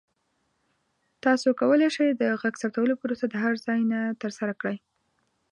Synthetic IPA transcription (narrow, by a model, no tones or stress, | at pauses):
t̪ɑsokawəleʂajd̪əɣaɡsapt̪awəlopəɾosad̪əɦaɾzɑjnat̪əɾsaɾakɽəj